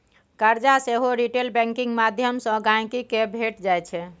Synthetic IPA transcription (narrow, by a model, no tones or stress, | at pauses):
kəɾd͡ʒaseɦoɾiʈelbɛ̃ŋkĩŋɡmad̪ʱjəmsə̃ɡãj̃kikebʱeʈd͡ʒajt͡ʃʰɛ